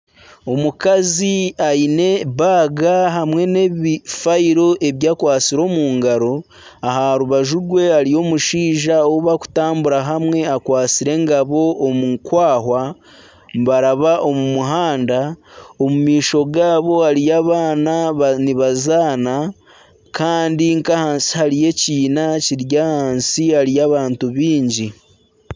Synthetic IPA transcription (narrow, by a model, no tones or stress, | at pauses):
o̞mukaziaine̞βaːɡaɦamwe̞ne̞βifaiɾo̞ʔe̞βjaːkwaːt͡siɾo̞ːmuːŋɡaɾo̞ | aɦaɾuβaʒuɡwe̞aɾijo̞ːmuʃiːʒaoβaku̥taːmbuɾaɦamwe̞akwaːt͡siɾe̞ːŋɡaβo̞ːmukwaːɦwa | mβaɾaβaʔo̞mumuɦaːndaomumiːʃo̞ɡaːβo̞aɾijaβananiβazaːna | kʰaːndiŋkahaːnsi̥haɾije̞ciːnaciɾjahaːnsiaɾijaːβaːntuβiːɲɟi